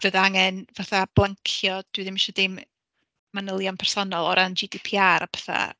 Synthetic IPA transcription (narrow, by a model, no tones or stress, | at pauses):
v̥əðaaŋɛnvaθab̥lˠaŋkʰjɔd̥wiðɪmɪʃɔdɪm | manəlˠjampʰɛr̥sɔnɔlˠɔ̰ɾʔand͡ʒidipʰiːaɾʔapʰɛ̥θa̰